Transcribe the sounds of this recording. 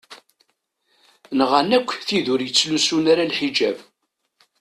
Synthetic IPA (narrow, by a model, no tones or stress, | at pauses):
nʁanækʷːθiðʊɾjət͡sːlusunaɾalħid͡ʒæv